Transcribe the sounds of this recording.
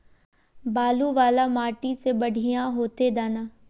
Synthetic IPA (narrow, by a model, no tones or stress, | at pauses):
baːluːʋaːlaːmaːʈiːseːbəɽʱijãːɦoːt̪eːd̪aːnaː